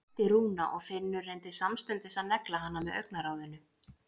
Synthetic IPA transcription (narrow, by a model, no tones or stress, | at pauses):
t̪ɪɾuːnaʔɔɣfɪnːʏrejnt̪ɪsamst̪ʏnt̪ɪsaðnɛklaɦanːamɛðœɥknaɾaːwðɪnʏ